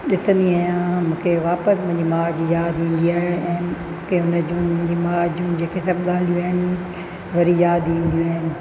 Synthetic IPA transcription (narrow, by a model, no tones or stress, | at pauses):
ɗɪsə̃nd̪iaːɪjãmũːkʰeʋaːpəsmʊ̃ɦɪ̃ɲd͡ʑimaːd͡ʑijaːd̪ĩːnd̪iaːɦeɛ̃ː | kʰeʊnəd͡ʑũːm̃ʊ̃ɪ̃ɲd͡ʑimaːd͡ʑũd͡ʑeːkʰesɐb̚ɠaːl̤ijuaːɦɪnɪ | ʋɐɾijaːd̪ĩːnd̪ijuaːɦɪnɪ̆